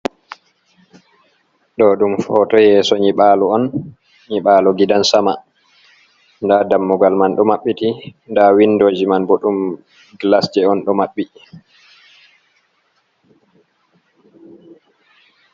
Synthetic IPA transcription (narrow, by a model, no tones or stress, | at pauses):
ɗɔɗumfɔtɔjɛːsɔɲiɓaːlɔɔn | ɲiɓaːlɔɡidansama | ndadamːuɡalmanɗɔmaɓːitindawindɔd͡ʒimanbɔɗum | ɡlasd͡ʒɛɔnɗɔmaɓːi